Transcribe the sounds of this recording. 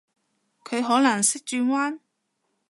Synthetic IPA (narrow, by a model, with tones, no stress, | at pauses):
kʰɵ˨˧ɥɦɔː˨˥nɐ˨˩ŋsɪ˥k̚t͡ʃyː˧ŋwaː˥n